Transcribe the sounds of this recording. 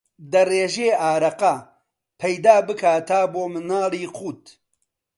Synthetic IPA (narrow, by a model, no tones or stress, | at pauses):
d̪ɐreːʒeːaːɾɐqɐ | pʰɐjd̪aːbɨkʰaːt̪ʰaːboːmɨnaːliːquːt̪